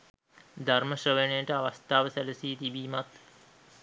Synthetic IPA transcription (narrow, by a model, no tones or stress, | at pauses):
d̪ʱarməɕrəʋenəjəʈəaʋast̪aːʋəsæləsiːt̪ibiːmat̪